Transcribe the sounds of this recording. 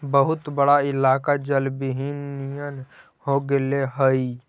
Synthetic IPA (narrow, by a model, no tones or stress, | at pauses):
bəɦut̪bəɽaɪlaːkad͡ʒəlbiɦinːijən | hoɡeleɦəi